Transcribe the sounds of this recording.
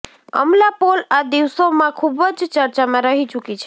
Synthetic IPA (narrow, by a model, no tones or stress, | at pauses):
ə̰mlapolad̪iʋsomãkʰubəd͡ʒt͡ʃəɾt͡ʃamãɾəɦit͡ʃukit͡ʃʰ